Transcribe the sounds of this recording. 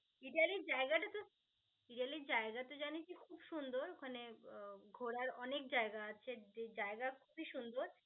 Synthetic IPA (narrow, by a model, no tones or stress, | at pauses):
iɖialiɾd͡ʑaeɡaʈat̪o | iɖialiɾd͡ʑaeɡat̪od͡ʑanit͡ɕikʰubʃund̪oɾokʰaneɡʱoɾaɾɔnek̚d͡ʑaeɡaaːt͡ɕʰeed͡ʑaeɡakʰubʱiʃund̪oɾ